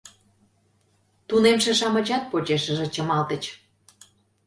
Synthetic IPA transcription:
t̪unemʃĕʃɑmə̆t͡ɕɑt̪̚pot͡ɕeʃəʒĕt͡ɕəmɑlt̪ə̆t͡ɕ

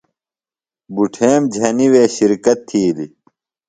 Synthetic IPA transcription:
buʈʰeːmd͡ʑʱɐniweːɕiɾkɐt̪ʰːiːli

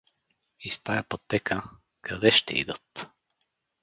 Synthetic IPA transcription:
ist̪ajɐpot̪ːɛkə | kʰɐd̪ɛʃt̪ɛ̰ḭd̪ət̪

